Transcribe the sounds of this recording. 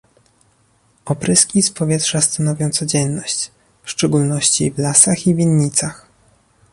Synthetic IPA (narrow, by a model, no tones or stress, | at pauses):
ɔpɾɘskʲispɔvʲjɛtʂast̪anɔvʲjɔ̃w̃t̪sɔd͡ʑɛnːɔɕt͡ɕ | fʂt͡ʂɛɡulnɔɕt͡ɕivlasaxivʲinːit̪sax